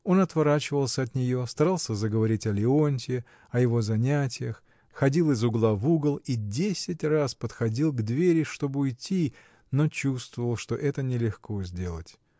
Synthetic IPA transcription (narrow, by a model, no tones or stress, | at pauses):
o̞nɐt̪vɐɾat͡ɕɪvəlˠsʲəɐt̪nʲɪjo̞st̪ɐɾalˠsʲəzəɡəvɐɾʲitʲɐlʲɪo̞nʲtʲɪ | ɐjɪvo̞zɐnʲætʲɪjəx | xɐdʲilˠɨzʊɡlˠavuɡəlˠidʲesʲɪtʲraspət̪xɐdʲilˠɡd̪vʲeɾʲɪʂt̪o̞bɨʊjtʲːi | no̞t͡ɕust̪vəvəlˠʂt̪o̞ʔɛt̪ənʲɪlʲɪxko̞zʲdʲe̞lˠətʲ